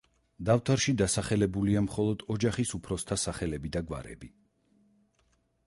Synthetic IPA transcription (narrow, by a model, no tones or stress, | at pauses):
d̪aft̪ʰaɾʃid̪asaχɛlɛbuliamχɔlˠɔd̪̥ɔd͡ʒaχisupʰɾɔst̪ʰasaχɛlɛbid̪aɡwa̰ɾɛ̰bi